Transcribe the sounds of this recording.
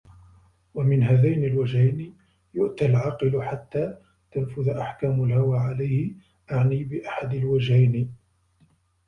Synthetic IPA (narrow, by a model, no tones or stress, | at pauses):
wamɪnɦaːðajnalwad͡ʒhajn | jʊʔt̪alʕɑːqɨlħat̪ːaː | t̪anfʊðʔaħkaːmalhawaːʕalajhɪ | ʔaʕniːbɪʔaħad̪alwad͡ʒhajn